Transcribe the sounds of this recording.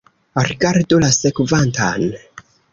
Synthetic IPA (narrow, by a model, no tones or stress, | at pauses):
ɾiɡaɾdolasekvantan